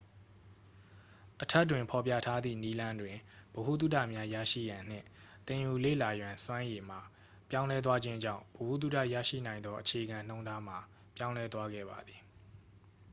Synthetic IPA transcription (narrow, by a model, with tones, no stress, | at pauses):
ʔətʰɛ˦˨t̬wɪ̃˨mpʰɔ˨pjä̰˦˨tʰa˦d̪ðḭ˦˨ni˦lã˦ndwɪ̃˨b̥o˨hṵ˦˨t̪̬u˦tä̰˦˨mja˦jä̰˦˨ʃḭ˦˨jã˨n̥ɪ̰̃˦˨t̪ɪ̃˨ju˨lḛ˦˨la˨jwã˨nswã˦je˨m̥a˨ | pjã˦ʊ̃lɛ˦t̪̬wa˦d͡ʑɪ̃˦ɲd͡ʑã̰˦˨ʊ̃bo˨hṵ˦˨t̪̬u˦˨ta̰˦˨jä̰˦˨ʃḭ˦˨nã˨ɪ̃nd̪ɔ˦ʔət͡ɕʰe˨ʔɡã˨n̥õ˦ʊ̃nda˦m̥a˨ | pjã˦ʊ̃lɛ˦t̪wa˦ɡɛ̰˦˨ba̰˨d̪ði˨